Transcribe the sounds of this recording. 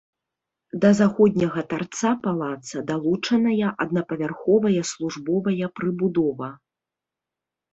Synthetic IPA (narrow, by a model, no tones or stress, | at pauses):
d̪ɐzaxɔd̪ʲnʲɐɣɐt̪art̪sapalˠat̪sɐd̪alˠut͡ʂɐnɐjɐʔɐd̪̚nɐpɐvʲarxɔvɐjɐslˠuʐbɔvɐjɐpɾɨbud̪ɔvɐ